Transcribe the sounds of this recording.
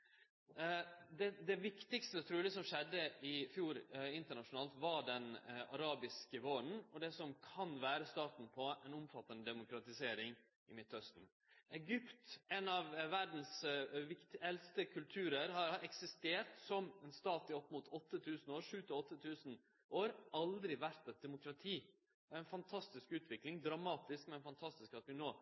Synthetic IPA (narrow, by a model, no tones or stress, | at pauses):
d̪ɛd̪ɛʋɪkt̪ɪkst̪ət̪ʰɾʉːləsɔmʂɛd̪ːəʔɪfjuːɾɪnt̪əɳɑʂʊnɑːlt̪ʋɑɖɛnɑ̰ɾɑːbɪskəʋoːɾn̩ɔd̪ɛsɔmkʰɑnʋæːɾəst̪ɑːt̪n̩pʰɔɛnʊmfɑt̪ːənəd̪ɛmʊkɾɑt̪ɪseːɾɪŋ | ʔɪmɪt̪ːhœst̪n̩ | ɛɡʏpt̪ɛnɑʋʋæɖn̩sʋɪkt̪ɛlst̪əkʰʉlt̪ʰʉːɾəɾhɑɾɛksɪst̪eːʈsɔmɛnst̪ɑːt̪ɪɔpːmʊt̪ʰɔt̪ːət̪ʰʉːsn̩oːɾʂʉːt̪ɪɔt̪ʰːət̪ʰʉːsn̩ | ʔoːɾɑld̪ɾɪʋæɾt̪ɛt̪̚d̪ɛmʊkɾɑt̪ʰiː | ɔɛɪnfɑnt̪ʰɑst̪ɪskʉːt̪ʰʋɪklɪŋd̪ɾɑmɑːt̪ɪskmɛɛnfɑnt̪ʰɑst̪ɪskɑt̪ʋɪnoː